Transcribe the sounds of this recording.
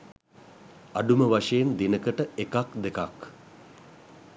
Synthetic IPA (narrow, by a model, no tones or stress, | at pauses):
aɖuməʋaʂejend̪inəkəʈəekakd̪ekak